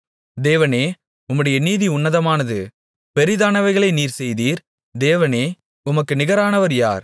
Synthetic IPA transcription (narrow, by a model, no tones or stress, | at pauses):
d̪eːʋɐneː | ʊmːɯɽɐjɐniːðiʊnːɐðɐmaːnɐðɯ | pɛɾɪðaːnɐʋɐɪɣɐɭɐɪniːɾsɛjðiːɾ | d̪eːʋɐneː | ʊmɐkːɯnɪɣɐɾaːnɐʋɐɾja̰ːɾ